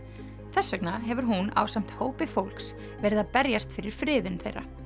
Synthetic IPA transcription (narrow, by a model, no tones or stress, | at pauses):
θɛsːvɛknaɦɛvʏɾ̥ɦuna̰wsam̥t̪hoːwpɪfowlks | vɛːɾɪðaðpɛɾjast̪fɪɾɪɾ̥fɾɪːðʏnθḛjɾa̰